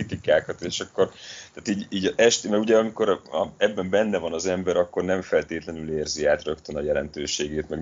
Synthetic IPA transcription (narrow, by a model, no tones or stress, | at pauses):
it̪ikaːkɒt̪eːʃɒkːo̞rt̪aːt̪iːɟiːɟʔɛʃt̪mɛɡuɟɛɒmiko̞ɾɒ̰ɛbːɛmbɛnːɛvɒnɒzɛmbɛɾɒkːo̞rnɛɱfɛlt̪eːt̪lɛnyleːrziaːt̪rø̞kt̪ønɒjɛlɛnt̪øːʃeːɡeːt̪mɛɡ